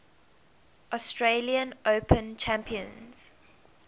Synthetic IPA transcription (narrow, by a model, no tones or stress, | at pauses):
ʔɔstʰɹeliə̃noʊpʰə̃nt͡ʃʰæ̃mpʰiə̰̃nz̥